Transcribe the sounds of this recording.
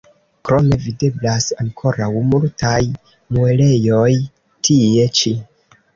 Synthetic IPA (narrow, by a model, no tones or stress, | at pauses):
kɾo̞me̞vide̞blasaŋkʰo̞ɾawmultʰaj | mue̞le̞jo̞j | tʰie̞t͡ʃi